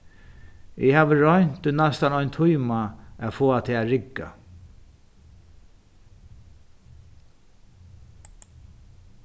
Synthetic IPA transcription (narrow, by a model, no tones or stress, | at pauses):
ɪhaːʋəɹɔjn̥t̪ʊnast̪anɔʏnt̪ʰʊjmaafoːat̪ʰɛaɹɪkːa̰